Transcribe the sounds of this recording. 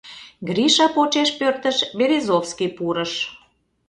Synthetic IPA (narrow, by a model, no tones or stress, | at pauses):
ɡɾiʃɑpot͡ɕeʃpørt̪əʃbeɾezofskipuɾəʃ